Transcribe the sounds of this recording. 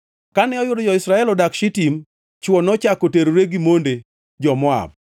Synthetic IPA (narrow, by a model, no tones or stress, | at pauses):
kanɛɔjʊdɔd͡ʒɔɪsɾaɛlɔdakʃɪtim | t͡ʃwɔnɔt͡ʃakoteɾoɾeɡimonde | d͡ʒɔmɔa̰b̚